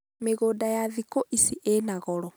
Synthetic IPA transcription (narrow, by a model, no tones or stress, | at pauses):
meɣoːdajaðikoʔisiʔenaɣɔɾɔ